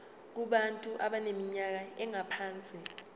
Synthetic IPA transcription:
k̬uɓantʼuʔaɓanemiɲak̬aɛŋapʰaːnt͡sʼi

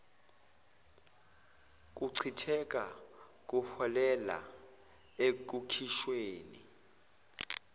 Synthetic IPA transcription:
k̬ʼuǀʰitʰɛk̬ʼa | k̬ʼuhɔlɛla̰ | ek̬ʼukʰiʃweːnḭ

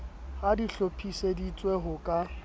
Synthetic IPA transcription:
hadiɬopʰʼisedit͡sʼweɦʊkʼa

